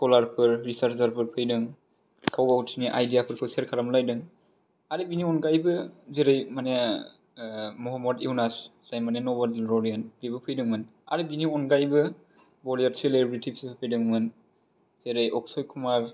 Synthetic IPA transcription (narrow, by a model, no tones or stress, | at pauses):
skɔlaɾpʰɯɾɾisaɾzaɾpʰɯɾpʰɯjdɯŋ | kʰawɡautʰiniʔajdijapʰɯɾpʰɯseɾkʰaɾamlajdɯŋ | aɾibiniɔnɡajbɯzeɾɯjmane | mɔɦɔmːɔdiwnasz̥ajmanenɔbalɾɔɾijanbibɯpʰɯjdɯŋmɯna̰ɾibiniɔnɡajbɯ | bɔliaɾselebɾitʰipsʰpʰɯjdɯŋmɯn | z̥eɾajʔɔksɔjkʰumaɾ